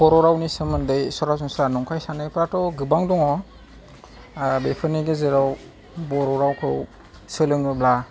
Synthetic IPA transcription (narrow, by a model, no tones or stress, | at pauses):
bɔɾɔɾawnisɯmɯndɯjsɔɾazɔŋsɾanɔŋkʰajsanajpɾatɔɡɯbaŋdɔŋɔ | bepʰɯniɡezeɾaw | bɔɾɔɾawkʰɯw | sɯlɯŋɯbla